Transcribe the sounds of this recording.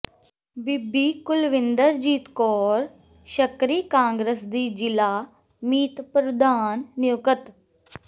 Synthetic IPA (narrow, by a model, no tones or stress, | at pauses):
bɪbiːkʊlʋɪnd̪əɾd͡ʒiːt̪kɔːɾ | ʃəkɾiːkãːŋɡɾəsd̪iːd͡ʒɪlaː | miːt̪pɾəd̪aːnːɪjʊkət̪